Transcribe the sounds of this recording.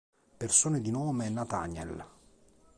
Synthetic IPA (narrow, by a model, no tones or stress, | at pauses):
persoːned̪inoːmeɛnːat̪a̰ɲɛ̰l